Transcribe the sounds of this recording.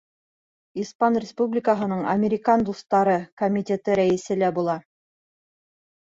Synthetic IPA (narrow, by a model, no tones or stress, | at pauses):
ispɑnrʲɪspublʲɪkəɦɤ̆nɤɴɐ̰mʲɪɾʲɪkɑnd̪ust̪ːɑɾɤkomʲit̪ʲet̪ɘɾæjɘ̆sɘlæbulˠɑ